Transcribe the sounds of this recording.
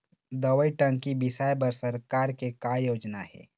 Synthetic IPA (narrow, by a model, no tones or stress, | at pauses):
d̪ɐʋəiʈə̃ŋkibɪsaːjbɐɾsɐɾkaːɾkekajoːd͡ʒnahɛ̰ː